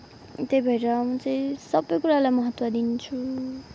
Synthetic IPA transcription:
t̪ejbʱʌjɾʌmʌ̃t͡sʌĩsʌbːʌjkuɾalajmʌɦʌt̪wʌd̪int͡sʰu

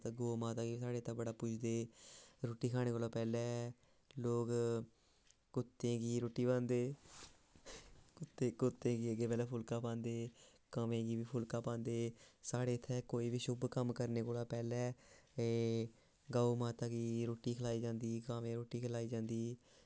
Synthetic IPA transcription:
t̪aɡoːmaːt̪aːɡiːiːsaːɽeːt̪abəɽaːpʊt͡ʃʰd̪eːɾoːʈiːkʰaːɽ̃eːkoːlaːpɛːlɛː | loːk | kʊt̪ːẽːɡiːɾoːʈːiːbãːnd̪eː | kʊt̪eːkʊt̪ːẽːɡiːəɡeːpɛːlɛːpʰʊlkaːpãːnd̪eː | kəmẽːɡiːʋiːpʰʊlkaːpãːnd̪eːsaːɽeːt̪ʰːɛːkoːiːʋiːʃʊbkəmkəɾneːkoːlaːpɛːlɛːeː | ɡaːomaːt̪aːɡiːɾoːʈːiːkʰlaːiːd͡ʒãːnd̪iːkaːʋẽːɾoːʈiːkʰəlaːiːd͡ʒãːnd̪iː

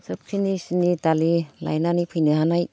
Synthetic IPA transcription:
sɯp̚kʰinisinidalila̰jnanipʰɯjnɯɦanaj

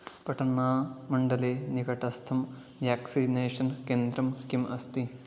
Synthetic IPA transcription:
pɐʈɐnːaːmɐɳɖɐleːniɡɐʈɐst̪ʰɐm | ʋjaːksineːʂɐnkeːnd̪ɾɐmkimɐst̪i

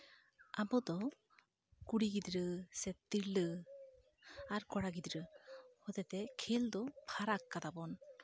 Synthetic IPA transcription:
abɔd̪ɔ | kuɽiɡid̪ɾɯsɛt̪ːiɾlə | aɾkɔɽaɡid̪ɾɯhɔd̪ɛt̪ɛkʰeld̪ɔpʰaɾakːad̪abɔn

